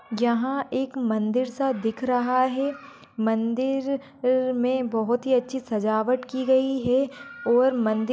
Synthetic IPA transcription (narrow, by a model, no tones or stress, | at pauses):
jɐɦãeːkmɐ̃nd̪ɪɾsad̪ɪkʰɾɐɦaɦɛ | mɐ̃nd̪ɪɾ | mẽbɐɦʊt̪ɦiɐtːʃʰisɐd͡ʒaːʋəʈkiɡɐiɦɛɔːɾmɐ̃nd̪ɪ